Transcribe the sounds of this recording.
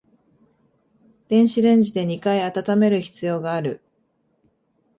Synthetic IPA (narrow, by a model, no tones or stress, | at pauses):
d̪̥ẽ̞ɰ̃ɕiɾẽ̞ɲ̟d͡ʑid̪e̞ɲ̟ikaiat̪at̪ame̞ɾɯ̟çi̥t͡sɨjo̞ːɡaːɾɯ̟